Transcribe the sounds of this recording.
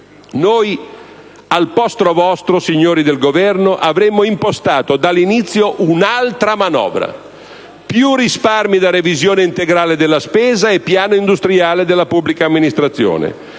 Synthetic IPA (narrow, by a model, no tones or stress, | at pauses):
noj | alpɔst̪ɾovɔst̪ɾosiɲːoːɾid̪elɡovɛrnoʔavɾɛmːoimpost̪aːt̪od̪alːinit̪sːjoʔunalt̪ɾamanɔ̰ːvɾa̰ | pjurːisparmid̪aɾevizjoːneint̪eɡɾaːled̪elːaspeːzaepːjaːnoind̪ust̪ɾiaːled̪elːapubːlikaːmːinist̪ɾat̪sːjo̰ːnḛ